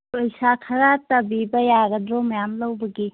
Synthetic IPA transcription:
ɔjsakʰɐɾatɐbibɐjaɡɐdɾomɐjamlɐwbɐɡi

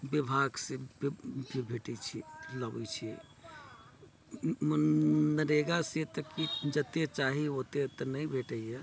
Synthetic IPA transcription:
bibʱaɡsẽbbbʱeʈɛt͡ʃʰiləbɛ̰t͡ʃʰi | mnəɾeɡaset̪ɔkid͡ʒət̪et͡ʃaɦiɦot̪et̪ɔnəjbʱeʈəje

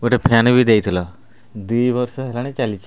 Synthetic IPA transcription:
uʈepʰjanbʱid̪ejt̪ʰilɔ | d̪ujbɔɾsɔɦelañet͡ʃalit͡ʃʰi

